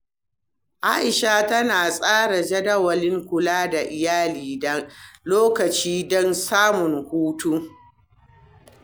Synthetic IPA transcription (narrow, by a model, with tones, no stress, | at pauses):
ʔa̰˦ʔɪ˨ʃa˦tɐ˦naː˨sʼaː˦ɽa˨d͡ʒɐ˦dɐ˦wɐ˨lɪ˦ŋkʷʊ˨laː˦da˨ʔɪ˨jaː˦liː˨dɐ˦loː˦kɐ˨t͡ʃiː˦dɔ˦nsaː˦mʊ˨ŋhuː˦tu˦